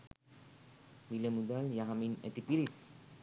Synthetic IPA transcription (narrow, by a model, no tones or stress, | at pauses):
miləmud̪aljaɦaminɛ̰t̪ipilis